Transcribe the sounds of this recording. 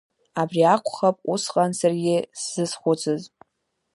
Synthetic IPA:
abriakʷʰχapʼusqʼansarɡʲɪsz̥ɨsχʷʊt͡sʰɨz

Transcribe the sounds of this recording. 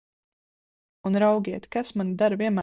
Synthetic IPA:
unɾawɡʲiɛt̪kasmanid̪aɾviɛma

